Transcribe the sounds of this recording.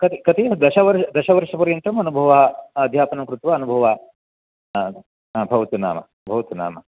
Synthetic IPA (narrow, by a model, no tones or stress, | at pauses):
kɐt̪ikɐt̪iɐd̪ɐʃɐʋɐɾɐd̪ɐʃɐʋɐɾʂɐpɐɾijɐnt̪ɾɐmɐnubʱɐʋɐɦɐɐd̪ʱjaːpɐnɐmkɾut̪ʋɐɐnubʱɐʋɐɐ | bʱɐʋɐt̪una̰ːmɐ̰ | bʱɐʋɐt̪una̰ːmɐ